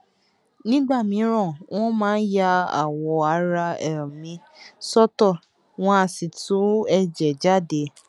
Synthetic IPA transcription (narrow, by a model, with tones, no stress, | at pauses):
nĩ˦ɡ͡ba˦˨mĩ˨˦ɾ̃ɔ̃˦˨w̃ʔɔ̃˦mãː˦n̩˦ja˧a̰˨wɔ˨˦a˨˦ɾa˧ɛ˨mĩ˧˦ | sɔ˦tɔ˦˨ | w̃ɔ̃˧a˧˨si˨tʰu˨˦ɛ˦˨d͡ʒɛ˨d͡ʒa˦˨de˨˦